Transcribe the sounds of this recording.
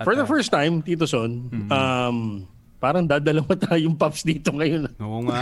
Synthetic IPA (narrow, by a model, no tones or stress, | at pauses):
fɔɹðɐfɛɹst̪ajmt̪iːt̪̬osonɐm | paːɾɐŋd̪aːd̪ɐlɐmɐt̪ajʊŋpapsd̪iːt̪oŋɐjon